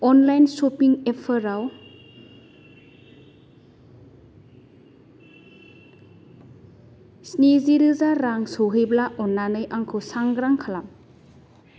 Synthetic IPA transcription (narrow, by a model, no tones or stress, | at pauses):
ɔnlajnsopiŋepʰɯɾaw | sniziɾɯzaɾaŋsoɦɯjblaʔɔnːanɯjʔaŋkʰɯwsaŋɡɾaŋkʰalam